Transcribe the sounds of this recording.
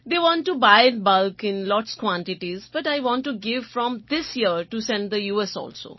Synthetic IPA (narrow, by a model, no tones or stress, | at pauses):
d̪eːʋɔ̃ːnʈːubaɪɖbʌlkɪ̃nlɔːʈskwɔ̃ɳʈɪʈizbɐʈaɪʋɔ̃nʈːuɡɪʋfɾɔ̃md̪ɪsjiəɾʈusɛ̃nɖd̪əjuːɛsɔ̰ːlso̰ː